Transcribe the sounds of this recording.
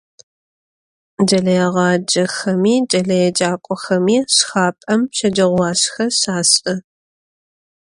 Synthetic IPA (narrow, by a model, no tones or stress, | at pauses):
d͡ʒɐɮɐjɛʁɑːd͡ʒɐxɐmiːd͡ʒʼɐɮɐjɛd͡ʒaːkʷʼɔxɐmiːɕxaːpʼɐmʃɐd͡ʒɐʁʷwɑːɕxɐɕaːsʼɐ